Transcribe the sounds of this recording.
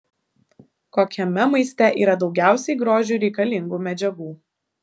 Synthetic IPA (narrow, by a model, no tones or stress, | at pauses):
koːkʲɛmʲɛmɐɪsʲt̪ʲɛʔḭːɾɐd̪ɒʊɡʲæˑʊsʲɛɪɡɾoːʒʲuːˑɾʲɛɪkɐlʲɪŋɡuːmʲɛd͡ʒʲɛɡuː